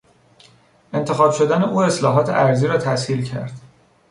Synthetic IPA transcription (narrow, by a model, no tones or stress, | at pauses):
e̞nt̪ʰe̞xɒːbʃo̞d̪æne̞ʔuːe̞slɒːɦɒːt̪ʰe̞̰ʔæɾziːɾɒːt̪ʰæshiːlcʰæ̰ɾd̪̥